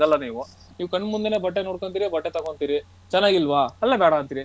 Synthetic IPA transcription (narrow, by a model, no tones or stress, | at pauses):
ɐlːɐniːʋu | niːʋukɐɳːmund̪ene̞ːbɐʈːenoːɽkoɳt̪iːɾibɐʈːet̪ɐkoɳt̪iːɾi | t͡ʃɛnːaːɡilʋaɐlːɐbɛːɽɐɐnt̪iːɾi